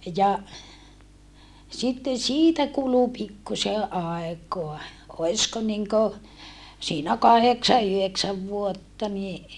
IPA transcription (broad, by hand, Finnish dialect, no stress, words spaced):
jɑ sitːen̞ siːtæ kulu pikːuse ʔɑˑekoɑ oisko niŋko siːnæ kɑheksɑ yheksæʋ ʋuotːɑ ni